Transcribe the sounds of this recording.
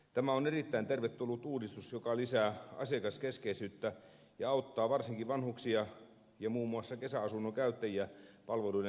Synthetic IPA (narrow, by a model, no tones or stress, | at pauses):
t̪æmæonerit̪ːæint̪erʋet̪ːulːut̪ːuːdist̪usjokɑlisæːɑ̰sekɑskeskeisyːt̪ːæ | jɑɑut̪ːɑːʋɑrsiŋkiʋɑnhuksiɑ | jɑmuːmːuɑsːɑkesæɑsunːokæyt̪ːæjiæpɑlʋeluide